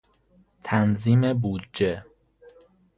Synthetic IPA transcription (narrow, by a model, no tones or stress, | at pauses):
t̪ʰænziːmebuːd̪̚d͡ʒe